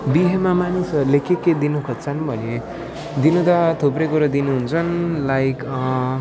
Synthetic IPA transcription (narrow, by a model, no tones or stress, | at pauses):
biɦemamanisʌlekekːed̪inukʰʌt͡sʰʌnbʱʌne | d̪inud̪ʌt̪ʰuprʌkoɾʌd̪inuɦunt͡sʰʌnlajk